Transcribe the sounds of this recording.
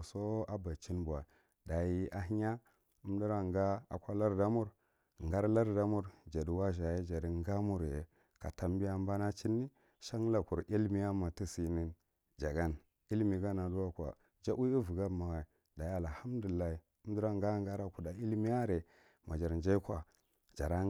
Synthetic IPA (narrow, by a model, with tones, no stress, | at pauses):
so˦a˦ba˨t͡ʃi˦nba˨ | da˨ji˦a˨ɦi˦ɲa˦ | u˦m˦di˦ɾa˦ŋɡa˦a̰˨kʷa˦la˦ɾda˦mu˦ɾ | ŋɡa˦ɾla˦ɾda˦mu˦ɾd͡ʒa˨di˨wa˦ʒa˨je˦d͡ʒa˨di˨ŋ˦ɡa˦mu˦ɾjḛ˨ | ka˨ta˦mbi˦a˦m˦ba˦na˦t͡ʃi˦nːi˦ | ʃa˦ŋ˦la˨ku˨ɾi˦lmi˦ja˦ma˨ti˦si˨ni˦n | d͡ʒa˨ɡa˦n | i˦lmi˨ɡa˦na˨du˦wa˦kʷa̰˨ | d͡ʒa˦u˦i˦vu˨ɡa˦˨ma˨ɣa˨i˨ | da˨ji˦a˨lha˦m˦du˨i˨lːa˦i˨ | u˦di˦ɾa˦ŋɡa˦ŋ˦ɡa˦ɾa˦ku˨da˨i˦lmi˦ja˦ɾe˨ | ma˨d͡ʒa˨ɾnd͡ʒa˦i˦kʷa˨ | d͡ʒa̰˨ɾa˦